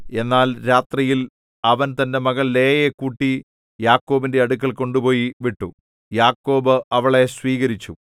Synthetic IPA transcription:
e̞nːaːlɾaːt̪rijil | ɐʋɐnt̪ɐnde̞mɐɣɐɭleːjekuːʈːi | jaːkːo̞ːbinde̞ɐɽukːɐɭko̞ɳɖupo̞ːjiʋiʈːu | jaːkːo̞ːbɨɐʋɐɭe̞sʋiːɣɐɾit͡ɕːu

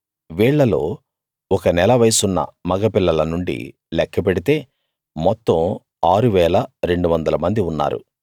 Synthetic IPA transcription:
ʋiːɭːɐlo̞ː | ɔkɐnɛlɐʋɐjsunːɐ̰mɐɡɐpilːɐlɐnuɳɖḭ | lɛkʰːɐp̬eɽit̪e̞ː | mɔt̪ːɐm | aːɾuʋɛːlɐɾe̞ɳɖuʋɐnd̪ɐlɐmɐnd̪iunːa̰ːɾṵ

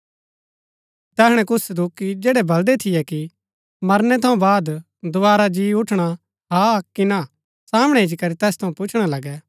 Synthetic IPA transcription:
t̪ɛːɦɽ̃ɛ̃kʊsd̪ʊkːid͡ʒɛːɽɛbʱɐld̪ɛt̪ʰɪjɛki | mɐɾnɛt̪ʰɐũbaːd̪ | d̪ʊaːɾad͡ʒiːʊʈʰɽ̃a | ɦaːkina | saːmɽ̃ɛɪd͡ʒkɐɾit̪ɛːst̪ʰɐũpʊt͡ʃʰɽ̃alɐɡɛ

